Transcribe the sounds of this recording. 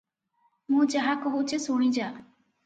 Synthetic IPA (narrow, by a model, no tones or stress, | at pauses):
mũːd͡ʒəɦaːkəɦuːt͡ʃʰesoːɽ̃ĩːd͡ʒaː